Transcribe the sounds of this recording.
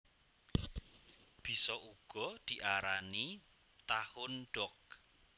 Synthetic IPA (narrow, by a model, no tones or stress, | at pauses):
b̥i̤sɔʔuɡ̥ɔ̤d̪̥i̤ʔaɾani | t̪ahʊnɖ̥ɔk̚